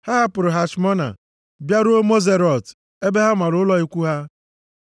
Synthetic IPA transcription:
ha˦ɦa˦pʊ˨ɾʊ˨ɦa˨t͡ʃmɔ˦na̰˨ | bja˦ɾʊ˦o˦mo˦ze˦ɾɔ˨t | e˦be˦ɦa˦ma˨ɾʊ˨˦ʊ˦lɔ˦i˦kʷu˦ɦa˦

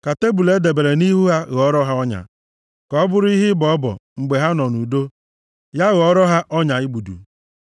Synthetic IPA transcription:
ka˨te˦bu˨le˦de˨be˨ɾe˨ni˦ɦu˦ɦa˦ɣɔ˦ɾɔ˦ɦa˦ɔ˦ɲa̰˨ | kɔ˦bʊ˦ɾʊ˦i˦ɦɪ˦bɔ˨ɔ˦bɔ̰˨ŋ͡m̩˨ɡ͡be˨ɦa˦nɔ˨nu˨do˦ | ja˦ɣɔ˦ɾɔ˦ɦa˦ʔɔ˦ɲa˨i˦ɡ͡bu˨dṵ˨

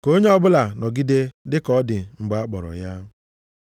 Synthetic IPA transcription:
ko˦ɲe˦ɔ˦bʊ˦la˨nɔ˨ɡi˦de˦dɪ˦kɔ˦dɪ˨ŋ͡m̩˨ɡ͡ba˦k͡pɔ˨ɾɔ̰˨ja˦

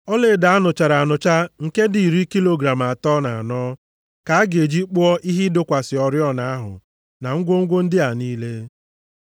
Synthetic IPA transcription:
ɔ˦le˨da˨a˦nʊ˨t͡ʃa˨ɾa˨a˨nʊ˨t͡ʃa˦ŋ̩˨ke˦di˨i˨ɾi˦ki˦lo˨ɡɾa˨m˨a˨tɔ˦na˨a˨nɔː˦ | ka˨a˦ɡe˨d͡ʒi˦k͡pʊ˦ɔ˦ʔi˦ɦi˦dʊ˦kʷa˨sɪ˨ɔ˨ɾjɔ˦na˦a˦ɦʊ̰˨ | na˨ŋ̩˦ɡʷo˦ŋ̩˦ɡʷo˦n̩˦dɪ˦a˨niː˦le˦

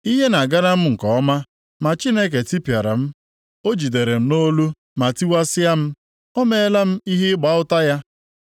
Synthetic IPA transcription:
i˦ɦe˦na˨ɡa˦ɾa˦m̩˦ŋ̩˨kɔ˨ɔ˦ma˦ | ma˨t͡ʃi˦ne˦k̬e˨ti˦pja˨ɾa̰˨m̩˦ | o˦d͡ʒi˨de˨ɾe˨m̩˦no˦lu˦ | ma˨ti˦wa˦sɪ˦ja˦m̩˦ | ɔ˦me˦la˦m̩˦i˦ɦi˦ɪ˦ɡ͡ba˨˦ʊ˦ta˦ja˦

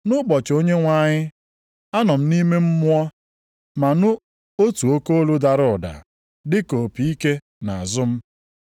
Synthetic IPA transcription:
nʊ˦bɔ˨t͡ʃo˦ɲe˦ŋʷa˦ɲɪ˦ | a˦nɔ˨m̩˦ni˦me˦m̩˦mʊ˦ɔ˦ | ma˨nʊ˦ | o˦tu˨o˦ko˦lu˦da˨ɾʊ˦˨da̰˨ | dɪ˦ko˨pi˨i˦ke˦ | na˨a˨zʊ˦m̩˦

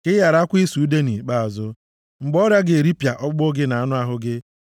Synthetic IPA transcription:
kɪ˦ja˨ɾa˦kʷi˦su˨˦de˦nḭ˨k͡pa˦a˨zʊ˦ | ŋ͡m̩˨ɡ͡bɔ˦ɾja˦ɡɪ˨ɾi˦pja˨ʔɔ˦k͡po˦ɡɪ˦na˨a˦nʊ˦a˦ɦʊ˦ɡɪ˦

